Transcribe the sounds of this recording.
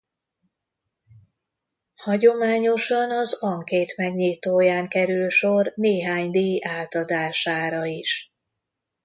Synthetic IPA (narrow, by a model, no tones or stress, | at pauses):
hɒɟo̞maːɲo̞ʃɒnɒzɒŋkeːt̪mɛɡɲiːt̪oːjaːŋkɛɾylʃo̞rneːɦaːɲd̪iːʔaːt̪ɒd̪aːʃaːɾɒiʃ